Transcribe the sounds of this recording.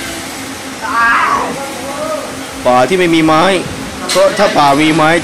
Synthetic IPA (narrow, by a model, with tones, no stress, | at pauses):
paː˨˩t̪ʰiː˥˩ma˥˩jmiː˧maː˦˥j | pʰɾɔ˦˥t̪ʰaː˥˩paː˨˩miː˧maː˦˥j